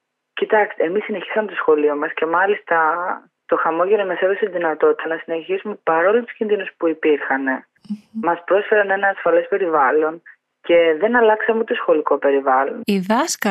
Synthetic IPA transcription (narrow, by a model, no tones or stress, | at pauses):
cit̪ɐkst̪eːmisːine̞çi̥sɐme̞t̪o̞sxo̞lio̞mɐsce̞mɐlist̪ɐ | t̪o̞xɐmo̞ʝeɾomɐseðoset̪iðinɐt̪o̞t̪i̥t̪ɐnɐsine̞çisume̞pɐɾo̞lut̪u̥scʲinðinuspuipiɾxɐne̞ | mɐspɾo̞sfe̞ɾɐne̞nɐːsfɐle̞spe̞ɾivɐlo̞n | ce̞ðe̞nɐlɐksɐmeot̪osxo̞liko̞pe̞ɾivɐlo̞̰niðɐskɐ